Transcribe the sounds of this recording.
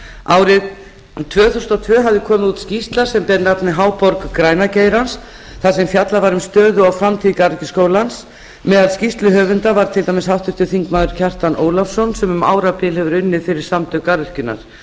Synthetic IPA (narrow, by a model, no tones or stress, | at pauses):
aːwɾɪð | t̪ʰvœːθuwst̪awt̪ʰvœːɦavðɪkʰɔːmɪðuːt̪scist̪laɾ̥sɛmpɛɾnap̪nɪɦaːwpɔɾkkɾaːjnaceːjɾans | θasɛmfjat̪lavaɾʏmst̪œːðʏawfɾamt̪ʰiːðikaɾcɪskoːwlans | mɛðaðscist̪lʏɦœːvʏnt̪avaɾ̥t̪ʰɪlt̪aːmɪshawht̪ʏɾ̥t̪ɪθiŋkmaːðʏɾ̥cʰar̥t̪anoːwlafsɔnsɛmʏma̰ːwɾapɪlhɛvʏɾʏnːɪfɪɾɪɾ̥samt̪œkaɾr̥cʏnːa̰ɾ̥